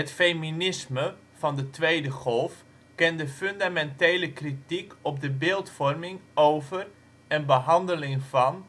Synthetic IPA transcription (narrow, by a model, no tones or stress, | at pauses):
ətfejminɪsmə | v̥ɑndətʋejdəχɔlˠf | kɛndəføndamɛntejləkritikɔb̚dəbɪːlˠtfɔrmɪŋowvər | ənbəɦɑndəlɪŋvɑn